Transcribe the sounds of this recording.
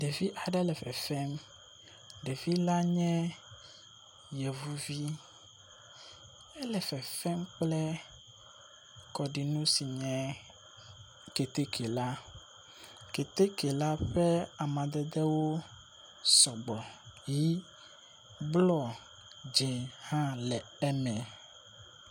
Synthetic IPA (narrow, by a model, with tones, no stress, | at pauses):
ɖe˨vi˦ʔa˨ɖɛ˦lɛ˨fɛ̰˨fɛ˦m | ɖe˨vi˦la˦ɲɛ̃˦ | jɛ˨vu˦vi˦ | ɛ˦lɛ˨fɛ˨fɛ˦mk͡plɛ˦ | kɔ˨ɖi˨nũ˦si˨ɲɛ̃˦ | ke˨t̪e˦kʰe˨la˦ | ke˨t̪e˦ke˨la˦ɸɛ˦a˨mã˨d̪ɛ˦d̪ɛ˦wo˦ | sɔ˨ɡ͡bɔ˨ji˦ | blɔ˦ | d͡ʒe˨hã˦lɛ˨ | ɛ˦nɛ̃˨